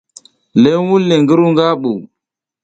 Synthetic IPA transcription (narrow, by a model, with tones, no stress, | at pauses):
le˦wu˦lːe˨ŋɡə˦ɾu˦ŋɡa˦ɓu˨